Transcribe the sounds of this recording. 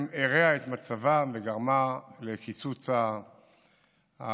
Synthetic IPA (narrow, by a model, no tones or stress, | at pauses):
meʁeaet̪mat͡savaveɡaʁmalekit͡sut͡sa